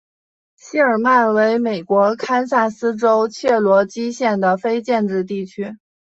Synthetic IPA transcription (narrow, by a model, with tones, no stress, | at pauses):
ɕi˥ə˞˨˩ma˥˩nwe˧˥ɪme˨˩ɪkwɔ˧˥kʰa˥nsa˥˩sɹ̩˥ʈ͡ʂo˥ʊt͡ɕʰjɛ˥˩lwɔ˧˥t͡ɕi˥ɕjɛ˥˩nd̪ə˩fe˥ɪt͡ɕjɛ˥˧nʈ͡ʂɻ̩˥˧t̪i˥˩t͡ɕʰy˥